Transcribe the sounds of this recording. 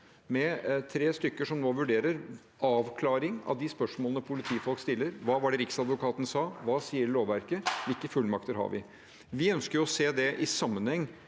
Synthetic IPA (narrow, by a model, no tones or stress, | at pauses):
mɛt̪ʰɾeːst̪ʏkːəʂɔmnoːʋʉɖeːɾəɾ | ɑːʋkʰlɑːɾɪŋɑ̰ʋd̪ɪspœʂmoːlənəpʰʊlɪt̪ʰiːfɔlkst̪ɪlːəɾʋɑːʋɑɖɛɾɪksɑd̪ʋʊkʰɑːt̪nəsɑːʋɑːsiːəɾloːʋʋæɾkəʋɪlkːəfʉlːmɑkt̪əɾɦɑ̰ɾʋɪ̰ | ʋɪœnskəɾjʊɔseːd̪ɛʔɪsɑmːənhɛŋː